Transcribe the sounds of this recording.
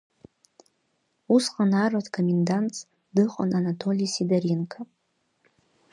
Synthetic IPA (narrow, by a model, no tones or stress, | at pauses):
usqʼanaratʰkʰomʲendant | dɨqʼa̰nanatʰo̞lʲijsidaɾinkʰa